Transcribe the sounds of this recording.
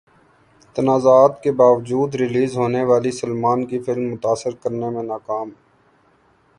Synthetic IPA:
t̪ənaːzaːt̪kebaːʋd͡ʒuːd̪ɾɪliːzɦoːneʋaːlisəlmaːnkifɪlmːʊt̪aːsɪɾkəɾnemẽnaːkaːmɦ

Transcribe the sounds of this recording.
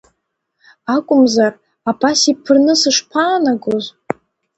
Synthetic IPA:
akʷʼʊmzar | apʰasipʰɨrnɨsɨʂpʰaːnaɡoz

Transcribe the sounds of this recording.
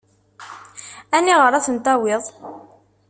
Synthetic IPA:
ænːiʁəɾæθənt̪æwɪðˤ

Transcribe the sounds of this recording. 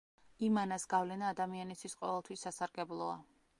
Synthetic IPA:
imanasɡ̥avlɛnaːd̪amianist̪ʰwisqʼɔvɛlˠt̪ʰwisːasaɾɡɛblˠɔa̰

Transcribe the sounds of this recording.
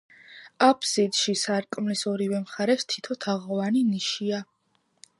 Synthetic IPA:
apʰsid̪ʃisaɾkʼmlisɔɾivɛmχaɾɛst̪ʰi̥t̪ʰɔt̪ʰaʁɔvaniniʃia

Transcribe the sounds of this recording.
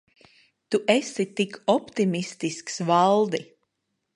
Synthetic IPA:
t̪uʔesit̪ikɔpt̪imist̪isksvalˠd̪i

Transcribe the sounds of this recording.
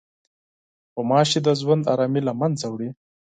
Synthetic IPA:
pəmɑʃed̪əzwand̪ɑ̰ɾɑmilamanzawɽi

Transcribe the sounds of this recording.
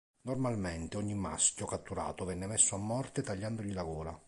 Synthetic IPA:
normalment̪eɔɲːimːa̰skʲjokat̪ːuɾa̰ːt̪ovɛnːemesːoamːɔrt̪et̪aʎːand̪oʎilaɡɔːɾa

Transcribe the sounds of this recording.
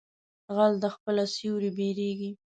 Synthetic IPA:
ɣald̪əxpəlasiwɾibeɾeɡi

